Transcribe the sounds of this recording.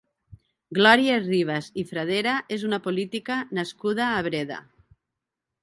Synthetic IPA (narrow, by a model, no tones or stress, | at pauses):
ɡlɔɾjariβ̞azifɾað̞eɾaʔezunapolit̪ikanaskuð̞aːβɾeða̰